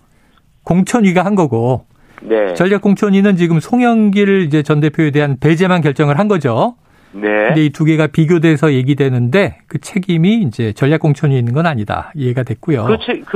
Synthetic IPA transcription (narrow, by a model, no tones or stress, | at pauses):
koŋt͡ɕʰʌɲɥiɡaɦanɡʌɡo | net͡ɕʌʎːjak͈oŋt͡ɕʰʌɲinɯnt͡ɕiɡɯmsʰoŋjʌŋɡiɾɯid͡ʑe̞t͡ɕʌnde̞pʰjoede̞ɦanpe̞d͡ʑe̞mankjʌɭt͡ɕ͈ʌŋɯɭɦanɡʌd͡ʑo | nendeituɡe̞ɡapiɡjode̞sʰʌje̞ɡidwe̞nɯnde̞kɯt͡ɕʰe̞ɡimiːnd͡ʑe̞t͡ɕʌɭːak͈oŋt͡ɕʰʌɲiːnːɯnɡʌnaɲida̰ie̞ɡadwek͈ujo